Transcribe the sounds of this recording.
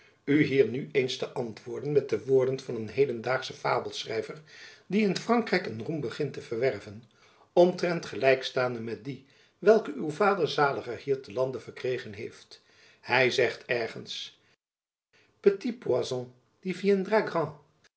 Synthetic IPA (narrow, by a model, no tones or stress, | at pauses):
yɦiːɹnyejnstəʔɑntʋʊːɹdənmɛt̚dəʋʊːɹdənv̥ɑnənɦejdəndaːχsəfa̰ːbəlˠsrɛ̰jvəɹdiɪnfrɑŋkrɛjkənrumbəχɪntəvəɹʋɛrvən | ɔmtrɛntχəlɛjkstaːndəmɛt̚di | ʋɛlˠkəʔywvaːdəɹzaːləχəhiːɹtəlɑndəv̥əɹkrejχənɦejft | hɛjzɛχtʰɛɹχə̰ns | pətipuazɔ̃ | d̥iviɛndraɡʁɑ̃